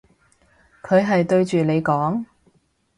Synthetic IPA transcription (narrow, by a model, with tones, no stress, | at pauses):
kʰɵ˨˧ɥɦɐ˨jt̪ɵ˧ɥt͡ʃyː˨ne˨˧jkɔː˨˥ŋ